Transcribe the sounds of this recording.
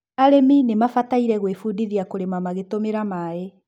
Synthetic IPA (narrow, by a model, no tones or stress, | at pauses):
aɾeminemafataiɾɛɣwefudiðiakoɾemamaɣetomeɾamaːe